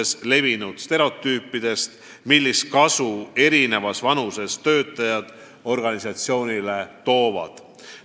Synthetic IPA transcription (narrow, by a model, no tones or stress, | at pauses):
esle̞vinud̪̥st̪e̞ɾeo̞t̪ːˑyːpːˑid̪̥e̞st̪ | milːist̪̚kɑsue̞ɾine̞vɑsvɑnuse̞st̪ø̞ːt̪ːˑɑjɑd̪̥ | o̞rɡ̥ɑnisɑt̪sio̞ːnile̞t̪o̞ːvɑ̰d̪̥